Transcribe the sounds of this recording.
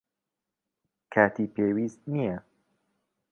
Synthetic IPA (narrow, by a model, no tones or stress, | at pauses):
kʰaːt̪ʰiːpʰeːwiːst̪nijɐ